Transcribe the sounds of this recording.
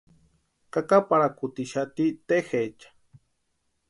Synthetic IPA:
kakapaɾakut̪iʃat̪it̪exet͡ʃḁ

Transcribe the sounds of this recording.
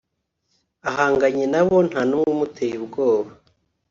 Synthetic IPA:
aɦaːŋɡaɲenaβon̥hanumutʰejibɡoːβa

